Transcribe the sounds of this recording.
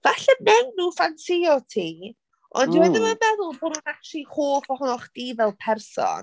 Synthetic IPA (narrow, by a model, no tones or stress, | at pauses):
v̥aɬɛmɛwnːuːfansɪjɔtʰiː | ɔ̰ndiwɛdɪnmamɛðʊlˠboːdnuːnak̚tʰlˠihoːfɔhʊnɔχd̥iːvɛlˠpʰɛrsɔ̰n